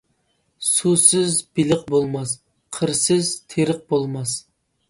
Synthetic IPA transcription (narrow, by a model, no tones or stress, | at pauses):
susɪzbilɪq̚bolˠmɑs | qʰəɾsɪzt̪ʰeɾəq̚bolˠmɑs